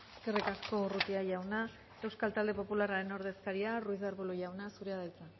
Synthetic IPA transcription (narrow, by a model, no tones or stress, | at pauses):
eskerikasko̞rut̪iaʝawna | ewskalt̪ald̪e̞po̞pulaɾaɾe̞no̞ɾð̞e̞skaɾiaruizððaɾβoloʝawnasuɾeaðajt͡sa